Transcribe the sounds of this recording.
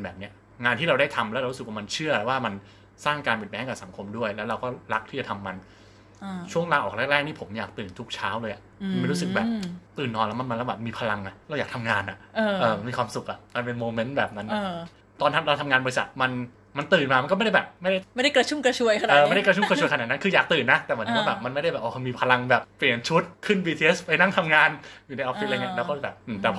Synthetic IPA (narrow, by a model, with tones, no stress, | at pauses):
nbɛː˨˩p̚ni˦˥ɐ | ŋaː˧nt̪ʰiː˥˩ɾa˧wda˥˩jt̪ʰa˧mlɛ˦˥ɾa˧ɾu˦˥sɯ˨˩k̚waː˥˩ma˧nt͡ɕʰɯ˥˩ɐɾa˨˩waː˥˩ma˧n | saː˥˩ŋkaː˧npi˨˩mɛː˦˥˩kaː˨˩sa˩˦ŋkʰo˧mdu˥˩əjlɛ˦˥wɾa˧wkɔː˥˩ɾa˦˥k̚t̪ʰiː˥˩t͡ɕa˨˩t̪ʰa˧mːa˧n | t͡ɕʰu˥˩əŋlaː˧ʔɔː˨˩ɾɛ˥˩k̚ɾɛː˥˩k̚niː˥˩pʰo˩˦mjaː˨˩k̚t̪ɯː˨˩nt̪ʰu˦˥k̚t͡ɕʰaː˦˥wlɤː˧jʔa˨˩ma˧nm˥jɾu˦˥sɯ˨˩k̚bɛː˨˩p̚t̪ɯː˨˩nːɔː˧lɛ˦˥ma˧nma˧lɛ˦˥wbɛː˨˩p̚miː˧pʰa˧la˧ŋa˨˩lɛ˧wjaː˨˩kt̪ʰa˧mŋaː˧nʔa˨˩ʔːʔɤː˧ma˧nmiː˧kwaː˧msu˨˩k̚ʔa˨˩ʔma˧npe˧nmoː˧me˦˥nbɛː˨˩p̚na˦˥nː˧ | t̪ɔː˧nt̪ʰa˧˥ɾa˧wt̪ʰa˧ŋaː˧bɔ˧i˧sa˨˩t̪̚ma˧n | ma˧nt̪ɯː˨˩nmaː˧m˧nkɔ˥˩a˥˩da˥˩bɛː˨˩p̚ma˥˩jda˥˩ma˥˩jda˥˩kɾa˧t͡ɕʰu˥˩mkɾa˧t͡ɕʰu˧əjkʰa˧nəː˧ma˦˥˩jda˥˩kɾa˧t͡ɕʰu˥˩kɾt͡ɕʰu˧əjkʰa˧n̚˨˩na˦˥nkʰɯː˧jaː˨˩k̚t̪ɯː˨˩nːa˦˥t̪ɛː˨˩mɯ˩˦nʰː˧waː˥bɛː˨˩p̚ma˧nma˥˩jɾa˥˩jbɛː˨˩ʔoː˧˩˧miː˧pʰa˧la˧ŋbɛː˨˩p̚pli˨˩ənt͡ɕʰu˦˥t̪̚kʰɯ˥˩nbiː˧t̪ʰiː˧ʔe˦˥spa˧jna˥˩ŋt̪ʰa˧mŋaː˧njuː˨˩na˧jʔɔː˦˧˥fi˦˥ʔŋːɲ˦˥lɛː˧˦˥wkɔː˥˩˥bɛː˨˩p̚ʔɯː˨˩t̪ɛː˨˩